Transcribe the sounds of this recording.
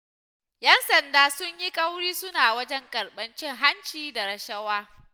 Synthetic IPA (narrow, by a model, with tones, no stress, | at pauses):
jɐ˦nsɐ˨ndaː˨sʊ˦ɲji˦kʼɐ˦wɽiː˦sʊ˦naː˨wɐ˦d͡ʒɛ˦ŋkʼɐ˨ɽɓɐ˦nt͡ʃɪ˦ŋɦa˦nt͡ʃiː˦da˨ɾɐ˨ʃɐ˦waː˦